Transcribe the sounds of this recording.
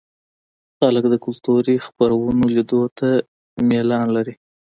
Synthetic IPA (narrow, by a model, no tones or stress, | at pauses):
xaləkd̪əkʊlt̪uɾixpaɾawunolid̪ot̪ʰa | melɑnlaɾi